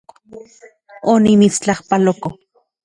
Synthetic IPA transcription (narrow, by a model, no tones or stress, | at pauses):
onimit͡st͡ɬahpaloko